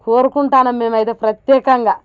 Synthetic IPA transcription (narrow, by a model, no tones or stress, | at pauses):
koːɾukuɳʈaːnɐmːeːmɐjt̪eːpɾɐt̪jɛːkɐŋɡaː